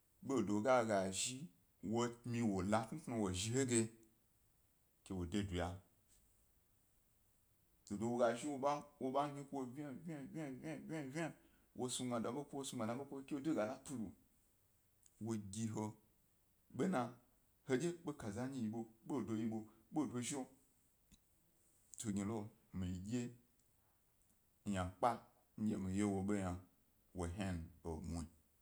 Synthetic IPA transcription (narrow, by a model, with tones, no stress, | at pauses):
ɓo˦˨do˨ɡa˦ɡa˨ʒi˦ | wo˧mĩ˧wo˨la˧tn̩˦kna˧wo˨ʒi˧˦ɦo˦ɡʲe˧ | kʲe˨wo˨de˧du˨ja˨ | to˨do˧wo˧ɡa˨ʒi˦wo˧ɓa˦wo˧ɓa˦ɲi˦kwo˧vʲa˦vʲa˦vʲa˦vʲa˦˨vʲa˦vʲa˦ | wʔo˧su˧ɡa˨da˨ɓo˦kʷo˦wo˦su˧ɡa˨a˨˦ɓo˦kʷo˦o˦kʲe˦wo˦du˦ɡa˨na˦pu˦lu˨ | wo˧ɡʲi˧ɦo˧ | ɓe˦nã˧ | ho˧d͡ʒʲe˦ɓo˦ka˨za˦ɲi˦ji˧ɓo˧ɓo˦˨dʷo˧ji˧ɓo˧ɓo˦˨dʷo˧ʒo˦ | to˨ɡʲi˨lo˦mi˨ɡʲe˦ | ja˨k͡pa˦ | ɲ̩˦d͡ʒʲe˦mi˨je˦wo˨ɓo˦ɲa˨ | wo˨ɦa˦n˨o˨mu˨i˨